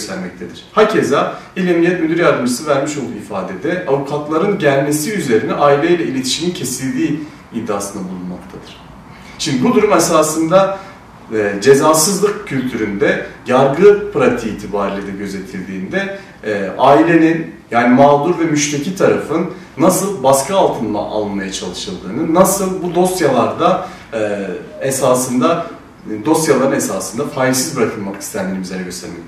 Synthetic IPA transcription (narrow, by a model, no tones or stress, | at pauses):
øst̪ʰæɾmɛc̚t̪ʰed̪iɾ̥hacʰe̞zailʲemijɛt̪mød̪yɾjaɾd̪ɯmd͡ʒɯsɯvæɾmiʃo̞lˠd̪uːifaːd̪ed̪ɛavukʰat̪lˠaɾɯnɟælʲme̞siyze̞ɾinɛʔaːilʲejlʲɛilʲe̞t̪ʰi̥ʃimincʰe̞silʲd̪iː | ind̪ʰaːsɯnd̪abulˠunmakt̪ʰad̪ɯɾ̥ | ʃimd̪ibud̪uɾumesaːsɯnd̪a | d͡ʒe̞zaːsɯzlˠɯk̚cʰylʲt̪ʰyɾynd̪ɛjaɾɡɯpʰɾat̪ʰiiːt̪ʰibaːɾilʲid̪ɛɟø̞ze̞t̪ʰilʲd̪iːnd̪ɛ | aːilʲe̞ninjaːnimaːd̪uɾvɛmyʃt̪ʰecʰit̪ʰaɾafɯnː | asɯlˠbaskʰɯalˠt̪ʰɯnlˠa̰ʔa̰lˠmajat͡ʃʰalˠɯʃɯlˠd̪ɯːnɯːasɯlˠbud̪o̞sjalˠaɾd̪a | esaːsɯnd̪a | d̪o̞sjalˠaɾɯnesaːsɯnd̪afaːjisizbɾakʰɯlˠmaki̥st̪ʰænd̪iɾimizʲeɾɛɟøst̪ʰenijo